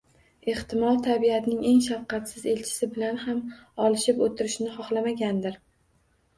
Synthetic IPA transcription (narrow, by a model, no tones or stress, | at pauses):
eht̪ɪmɒlˠt̪ʰabiat̪ʰnɪŋe̞ŋʃafqʰɑt̪sɪze̞lt͡ʃʰɪ̥sɪbɪlanhamɒlˠɪʃɪpot̪ʰɪɾɪʃnɪχɒχlˠamaɡʲand̪ɪɾ